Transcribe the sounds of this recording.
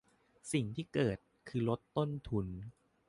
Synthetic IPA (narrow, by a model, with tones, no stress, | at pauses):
si˨˩ŋt̪ʰiː˥˩kɤː˨˩t̪̚kʰɯː˧lo˦˥t̪ːo˥˩nt̪ʰu˧n